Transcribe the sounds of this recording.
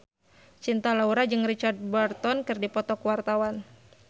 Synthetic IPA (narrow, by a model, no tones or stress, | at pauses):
t͡ʃint̪alauɾad͡ʒɨŋrit͡ʃard̪̚bart̪ɔnkɨrdipɔt̪ɔkwart̪awan